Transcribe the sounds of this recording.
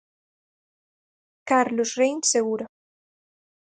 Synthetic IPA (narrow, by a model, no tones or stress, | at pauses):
kaɾlosrejnseɣuɾa